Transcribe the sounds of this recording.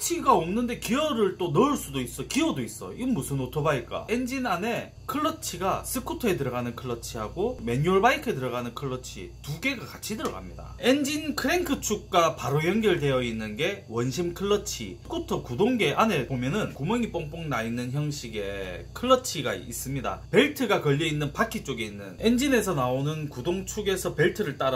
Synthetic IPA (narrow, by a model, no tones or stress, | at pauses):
t͡ɕʰiɡaomnɯnde̞kiʌɾɯɭt͈onʌɯɭs͈udois͈ʌkiʌdois͈ʌimːusʰɯnotʰʌbaik͈a̰e̞nd͡ʑinane̞ | kʰɯɭːʌt͡ɕʰiɡasʰɯkʰutʰʌe̞tɯɾʌɣanɯnkʰɯɭːʌt͡ɕʰihaɡome̞ɲuʌɭbaikʰetɯɾʌɣanɯnkʰɯɭːʌt͡ɕʰḭtuɡe̞ɡakat͡ɕʰidɯɾʌ̰ɡa̰mɲida̰end͡ʑinkʰɯɾeŋkʰɯt͡ɕʰuk̚k͈apaɾojʌŋɡjʌɭde̞jʌinːɯnɡe̞wʌnɕʰimkʰɯɭːʌt͡ɕʰḭɯkʰutʰʌkudoŋɡeʔane̞bomjʌnɯnkumjʌŋip͈oŋp͈oŋnainːɯnçjʌŋɕʰiɡe̞kʰɯɭːʌt͡ɕʰiɡa̰ḭs͈ɯmɲida̰pe̞ɭtʰɯɡakʌʎːʌinːɯnpakʰit͡ɕ͈oɡe̞inːɯ̰ne̞nd͡ʑine̞sʰʌnaonɯnkudoŋt͡ɕʰuɡe̞sʰʌpe̞ɭtʰɯɾɯɭt͈aɾa